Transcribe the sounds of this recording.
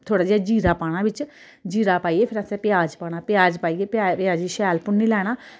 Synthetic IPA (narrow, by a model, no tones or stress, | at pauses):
t̪ʰoːɽaːd͡ʒeːad͡ʒiːɾaːpaːɽ̃ãːbɪt͡ʃ | d͡ʒiːɾaːpaːiːeːpʰɪɾəsẽːpɪjaːd͡ʒpaːɽ̃aːpɪjaːd͡ʒpaːiːeːpːpɪjaːd͡ʒiːʃɛːlpʊɳːiːlɛːɽ̃aː